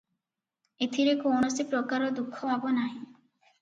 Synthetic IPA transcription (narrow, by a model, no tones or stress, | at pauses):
et̪ʰiɾekownosepɾokaɾod̪ukʰːobʱabonaj